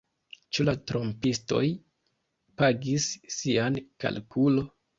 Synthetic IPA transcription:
t͡ʃulatɾo̞mpisto̞̰j | paɡisːianka̰lkʰulo̞

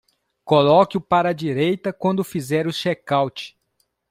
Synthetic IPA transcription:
kolɔkɪʊpaɾɐd͡ʒiɾejt̪ɐkwɐ̃nd̪ʊfizɛɾʊʃɛkawt͡ʃɪ̥

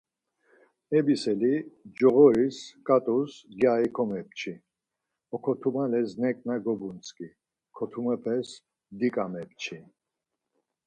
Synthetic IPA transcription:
ɛbisɛlid͡ʒɔɣɔɾiskʼat̪ʼusɡjaikʰɔmɛp̚t͡ʃʰi | ɔkʰɔt̪ʰumalɛznɛkʼnaɡɔbunt͡sʼkʼi | kʰɔt̪ʰumɛpʰɛs | d̪ikʼamɛp̚t͡ʃʰi

